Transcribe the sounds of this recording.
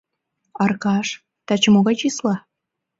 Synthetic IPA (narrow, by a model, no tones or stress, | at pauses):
ɑrkɑʃ | t̪ɑt͡ɕə̆moɣɑt͡ɕislɑ